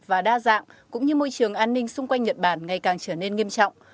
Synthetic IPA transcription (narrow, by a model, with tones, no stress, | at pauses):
vaː˨˩ɗaː˧za̰ː˧˨ŋkʊ̰˧˥ŋ͡mɲɨ˧mo˧jt͡ɕɨ˨˩əŋʔaː˧nːï˧ŋ̟sʊ˧ŋ͡mkwa˧jŋ̟ɲə˨˩t̚ɓaː˧˩nŋa˨˩jkaː˨˩ŋt͡ɕəː˧˩ne˧nŋi˧əmt͡ɕɔ̰˧˨wŋ͡m